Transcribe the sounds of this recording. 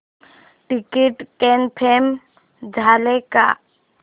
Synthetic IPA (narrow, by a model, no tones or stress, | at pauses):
ʈɪkeʈkenpʰeːm | d͡ʒʱaːleka̰